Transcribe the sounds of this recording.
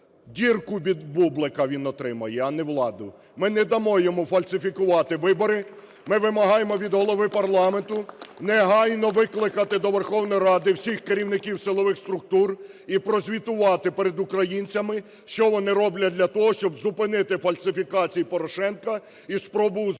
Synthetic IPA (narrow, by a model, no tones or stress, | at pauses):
dʲirkʊbʲid̪bublˠɪkɐʋʲinɔt̪ɾɪmɐjɛɐnɛʋlˠɑd̪ʊ | mɪnɛd̪ɐmɔjemʊfɐlʲsʲɪfʲikʊʋɑt̪ɪʋɪbɔɾɪ | mɪʋɪmɐɦɑjemɔʋʲid̪ɦɔlˠɔʋɪpɐrlˠɑment̪ʊnɛɦɑjnɔʋɪklˠɪkɐt̪ɪd̪ɔʋerxɔwnɔjɾɑd̪ɪwsʲixkeɾʲiwnɪkʲiwsɪlˠɔʋɪxst̪ɾʊk̚t̪ur | ipɾɔzʲʋʲit̪ʊʋɑt̪ɪpɛɾed̪ʊkɾɐjinʲt͡sʲɐmɪ | ʃt͡ʃɔʋɔnɪɾɔblʲɐd̪lʲɐt̪ɔɦɔʃt͡ʃɔbzʊpɪnɪt̪ɪfɐlʲsɪfʲikɑt͡sʲijipɔɾɔʃɛnkɐ | ispɾɔbʊ